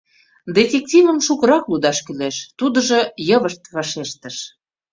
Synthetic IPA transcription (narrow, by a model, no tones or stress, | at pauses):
d̪efʲek̚t̪ʲivə̆mʃukəɾɑklud̪ɑʃkyleʃt̪ud̪ə̆ʒɤ̆jɤβəʃt̪βɑʃeʃt̪ə̆ʃ